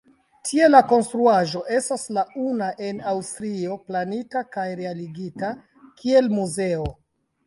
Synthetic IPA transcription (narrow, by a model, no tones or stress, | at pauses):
tʰie̞lako̞nstɾuaʒo̞ʔe̞staslaunaʔe̞nawstɾio̞planitakajɾealiɡita | kʰie̞lmuze̞o̞